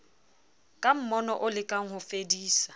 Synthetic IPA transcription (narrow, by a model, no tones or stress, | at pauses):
kʼam̩mɔnɔʔʊlɪkʼaŋ̩hʊfediːsḁ